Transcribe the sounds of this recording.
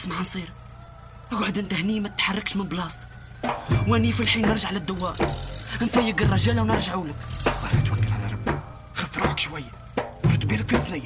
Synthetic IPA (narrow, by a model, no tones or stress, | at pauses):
smaʕnsˤiɾ | ɡʕəd̪ənt̪æhnimæt̪ət̪ħɑrˤːɑkʃmənblɑst̪k | wænifilħinːəɾˤʒaʕlæd̪ːʊwːæʔnfæjəɡərˤːɑʒælawnəɾˤʒaʕuləkbɑɾˤɑt̪wækːəlʕalæɾˤɑb | xəfɾˤuʕəkʃwæjː | wʃt̪̚biləkfiθnæjː